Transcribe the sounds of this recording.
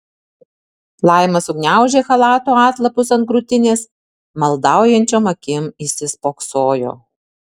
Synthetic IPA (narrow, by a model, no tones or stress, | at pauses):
lˠɑˑɪmɐsʊɡnʲæˑʊʒʲeːxɐlˠɑːt̪oːɑːt̪lˠɐpʊsɐnt̪kɾʊt̪ʲɪnʲeːs | mɐlˠd̪ɑˑʊjɛnʲt͡ʃʲoːmɐkʲɪmɪsʲɪspoːksoːjo̰ː